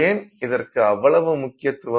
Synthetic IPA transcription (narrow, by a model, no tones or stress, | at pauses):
eːnɪðɐrkɯɐʋːɐɭɐʋɯmʊkːɪjɐt̪ːɯʋɐ